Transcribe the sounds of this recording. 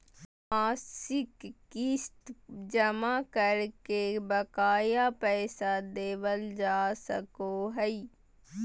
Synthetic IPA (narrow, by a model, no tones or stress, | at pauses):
maːsɪkː | ist̪d͡ʒəmakəɾkebəkaːjapɛːsad̪eːʋəld͡ʒaːsəkoɦəi